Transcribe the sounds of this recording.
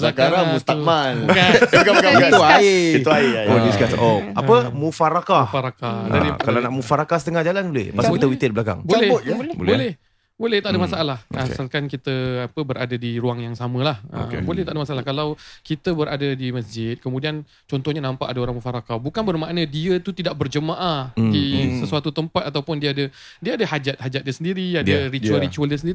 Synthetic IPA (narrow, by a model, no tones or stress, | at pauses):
akaɾamust̪amankaakat̪aaiuaioiskasʔɔp̚apəmufaɾakahfaɾakaa̰ikalanaʔmufaɾakahsə̥t̪əŋahd͡ʒalanlḛpasakit̪əwit̪ət̚blaka̰ŋbolɛbot̪̚bo̰lbolɛh | bolɛht̪aʔdəmasaʔalahaalkankit̪əapəbəɾʔa̰dadiɾuaŋjaŋsamə̃lahə̰ḛbolɛht̪aʔdəmasaʔalahkalawkit̪əbəɾʔadədiməsd͡ʒɪt̪̚kəmũdian | t͡ʃɔnt̪ɔhɲanãmpa̰ʔadəoɾaŋmufaɾakabukanbərmaʔnə̃diət̪ut̪idaʔ̚bərd͡ʒəmaʔahdisəsuat̪ut̪əmpat̪̚at̪awpʊndiəadə | diəadəhad͡ʒat̪̚had͡ʒat̪̚diəsəndiɾiadəɾit͡ʃualɾit͡ʃualdiəsəndiɾi